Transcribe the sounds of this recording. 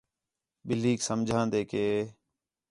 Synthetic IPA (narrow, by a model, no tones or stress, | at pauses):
ɓɪliːksəmd͡ʒʱãːnd̪eːkeː